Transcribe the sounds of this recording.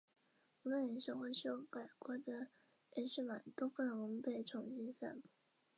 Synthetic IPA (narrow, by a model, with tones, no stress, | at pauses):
wɔ˨˩mə̃˦nə˨˩ʂo˥˧ʊxwe˥˧˩ɪɕo˥pa˨˩ɪkwɔ˧˥d̪ə˧ | e˥˧˥ʂɻ̩˥˩ma˨˩˦nt̪o˥ʊku˥˩n˧˩wɔ˨˩mə˧pe˥˩ɪʈ͡ʂʰʊ˨˧˥ŋɕi˥nsa̰˥˩mu˨